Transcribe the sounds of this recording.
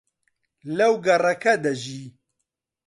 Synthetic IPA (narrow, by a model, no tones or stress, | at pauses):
lɐwɡɐrɐkɐd̪ɐʒiː